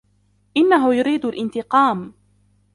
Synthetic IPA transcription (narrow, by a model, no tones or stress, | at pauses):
ʔɪnːaɦʊjʊɾiːd̪alʔɪnt̪ɪqɑːm